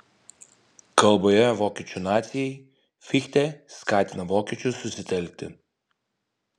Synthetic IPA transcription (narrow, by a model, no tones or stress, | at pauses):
kəlˠbɔjɛvɔkʲit͡ʃʊnat̪sʲii | fixt̪ɛskat̪ʲnɐvɔkʲit͡ʃususit̪ɛlʲit̪ɛ̰